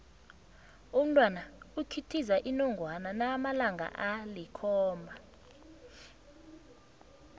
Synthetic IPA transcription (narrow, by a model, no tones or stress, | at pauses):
um̩tʼwanaukʰitʰizaʔinɔŋɡʱwananamalaŋɡʱa̰ʔalikʰɔːmbʱa